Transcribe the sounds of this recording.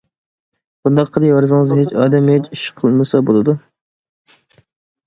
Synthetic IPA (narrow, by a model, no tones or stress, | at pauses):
b̥und̪ɑqʰːəd̪ɨwæɾzɨŋɨzɦet͡ʃɑ̰ːd̪ɛmet͡ʃyʃqʰəlˠmɨsɑbolˠɨd̪u